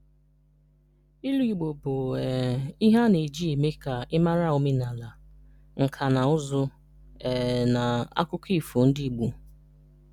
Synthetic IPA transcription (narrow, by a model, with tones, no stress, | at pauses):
i˦lu˦i˨ɡ͡bo˨bʊ˨ɛ˨i˦ɦa˦ne˨d͡ʒi˦e˨me˦ka˨ɪ˦ma˦ɾa˦˨o˦me˦na˨la˨ | ŋ̩˨kʰa˨na˨ʊ˦zʊ˦ | ɛ˨na˨a̰˦kʊ˦kʰi˦˨fo˨n̩˦di˦˨ɡ͡bu˨